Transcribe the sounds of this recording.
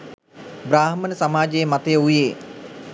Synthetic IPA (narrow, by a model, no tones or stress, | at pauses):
bɾaːɦəmənəsamaːd͡ʒəjmat̪əjəujeː